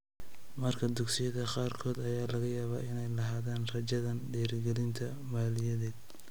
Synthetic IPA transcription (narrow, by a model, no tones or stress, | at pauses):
mɐrkʰɐd̪ʊɡsɪjɐðɐqɑːrkʰɔːd̪ɐjaːlɐɣɐjaːβa̰ːɪnɛjlɐɦaːðaːnrɐt͡ʃɐðɐnɖɛːrɡɛlɪnt̪ʰɐ | maːlɪjɐðɛːd̪̚